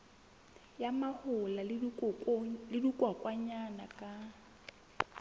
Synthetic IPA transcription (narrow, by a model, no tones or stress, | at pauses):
jamahʊla | lɪdukʼwakʼwaɲanakʼa